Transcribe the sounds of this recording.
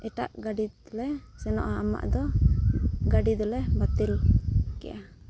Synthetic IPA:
ɛʈaʔɡaɖilɛsɛnɔ̰ʔaama̰ʔd̪ɔ | ɡaɖid̪ɔlɛbat̪ilkɛʔa

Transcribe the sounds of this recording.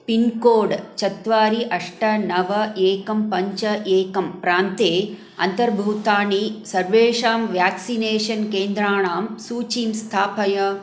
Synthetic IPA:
pinkoːɖt͡ʃɐt̪ʋaːɾiʔɐʂʈɐnɐʋɐeːkɐmpɐɲt͡ʃɐʔeːkɐmpɾaːnt̪eː | ɐ̰nt̪ɐɾbʱuːt̪aːɳisɐɾʋeːʂaːmʋjaːksineːʂɐnkeːnd̪ɾaːɳaːmsuːt͡ʃiːmst̪ʰaːpɐjɐ

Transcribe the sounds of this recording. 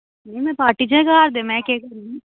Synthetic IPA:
nɐĩmɛ̃ːpaːɾʈid͡ʒẽkɦaːɾd̪emɛ̃kɛkɐɾũi

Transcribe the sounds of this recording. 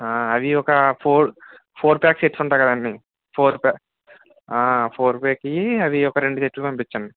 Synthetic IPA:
aːɐʋiɔkɐpʰoːɾ | pʰoːɾpjaːkseʈsuɳʈaːjkɐd̪ɐɳːi | pʰoːɾpa | aːpʰoːɾpeːkiɐʋiɔkɐɾe̞ɳɖuseʈlukɐmpit͡ʃːɐɳɖi

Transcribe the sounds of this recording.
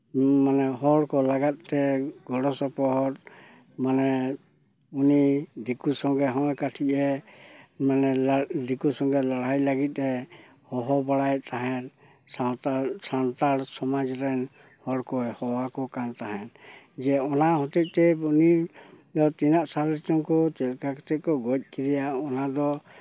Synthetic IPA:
manɛɦɔɽkɔlaɡat̪̚t̪ɛɡʱɔɽɔsɔpɔɦɔt̪̚ | manɛ | unid̪ikusɔŋɡɛɦɔ̃jkaʈʰiʔɛ | manɛd̪ikusɔŋɡɛlaɽajlaɡit̪̚ˀɾɛ | hɔɦɔbaɽajt̪aɦɛn | sasant̪aɽsɔmad͡ʒɾɛn | hɔɽkɔjhɔwakɔkant̪aɦɛn | d͡ʒɛɔnahɔ̃t̪ɛc̚t̪ɛunid̪ɔt̪inaʔsalɾɛt͡ʃɔŋkɔt͡ʃɛlkakɔt̪ɛkɔɡɔc̚ˀkidijaʔɔnad̪ɔ

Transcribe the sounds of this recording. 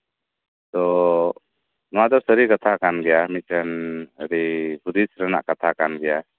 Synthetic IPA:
t̪ɔ | nɔwad̪ɔɾsəɾikat̪ʰakanɡɛjamit̪̚kanəɾibud̪isɾəna̰ʔkat̪ʰakanɡɛja

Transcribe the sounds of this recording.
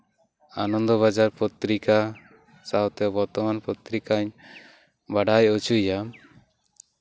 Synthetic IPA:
a̰nɔnd̪ɔβad͡ʒaɾpɔt̪ɾika | sawt̪ɛbɔɾt̪ɔmanpot̪ɾikaɲ | baɖajut͡ʃujam

